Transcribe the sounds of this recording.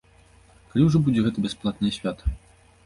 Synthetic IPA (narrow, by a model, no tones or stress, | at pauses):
kalʲiwʐɔbud͡zʲɛɣɛt̪ɐbʲɛsplˠat̪nɐjɐsʲvʲat̪ɐ̥